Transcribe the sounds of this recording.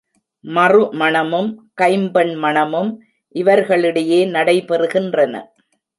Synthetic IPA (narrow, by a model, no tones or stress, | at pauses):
mɐrɯmɐɳɐmɯmkɐɪmbɐɳmɐɳɐmɯm | ʔɪʋɐɾɣɐɭɪɽɐjeːnɐɽɐɪpɛrɯɣɪndrɐnɐ̰